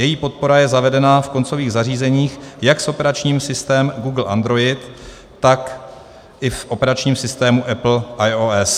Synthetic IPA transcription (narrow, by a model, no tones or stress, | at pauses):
jɛjiːpo̞t̪̚po̞ɾajɛzavɛdɛnafko̞nt͡so̞viːɣzariːzɛɲiːxjaksʔo̞pɛɾat͡ʃɲiːmsɪst̪ɛːmɡuːɡl̩ʔa̰nd̪ɾo̞jɪt̪ː | ak | ʔɪfʔo̞pɛɾat͡ʃɲiːmsɪst̪ɛːmuʔɛpl̩ʔajoɛs